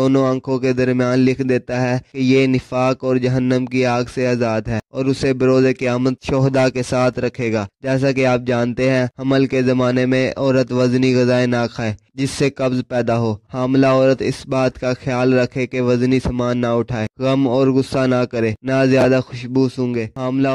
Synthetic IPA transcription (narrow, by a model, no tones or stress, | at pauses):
oːnõɐ̃ŋkʰõked̪ɐɾmijaːnlɪkʰd̪eːt̪aɦɛkejenɪfaːkɔːɾd͡ʒɐɦənːəmkiaːɡseaːzaːd̪ɦɛːɔːɾʊsebɐɾoːzekeaːmət̪ʃɔːɦd̪akesaːt̪ʰɾɐkʰeːɡaːd͡ʒɛːs̬akeaːp̚d͡ʒaːnt̪eɦɛ̃ɐməlkezɐmaːnemẽɔːɾət̪ʋɐzniɣɐzaːenakʰaːeː | d͡ʒɪsːekɐbzpɛːd̪aɦoːhaːmlaɔːɾət̪ɪ̰sbaːt̪kaxjaːlɾɐkʰekeʋɐznisɐmaːnːaʊʈʰaːeːɣɐmɔːɾɣʊsːanakɐɾeːnazjaːd̪axʊʃbusʊ̃ːŋɡeːɦaːmla